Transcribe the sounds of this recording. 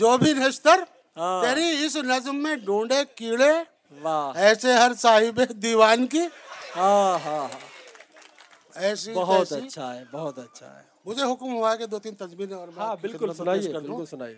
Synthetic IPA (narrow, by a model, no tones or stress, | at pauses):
d͡ʒoːbʱinest̪əɾ | ɦãeːɾiɪsnɐd͡ʒmːẽɖũːɳɖekiːɽe | ʋaɛːseɦɐɾsaːɦɪbed̪iːʋaːnkiɦaɦãɦa | ɛːsibɐɦɔɐːʃʰaɦɛbɐɦɔt̪ɐtːʃʰa̰ɦɛ̰ | mʊd͡ʒʱeɦʊkmɦuaeked̪oːt̪iːnt̪ɐzmiːnɔːɾmãbɪlkʊsnaːekɐʊlsʊnaːie